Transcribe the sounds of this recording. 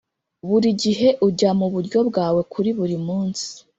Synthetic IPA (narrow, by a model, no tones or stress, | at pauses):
βuɾiɟiɦe̞ʔuɟamuβuɾɟo̞bɡaːwe̞kuɾiβuɾimuːnsi̥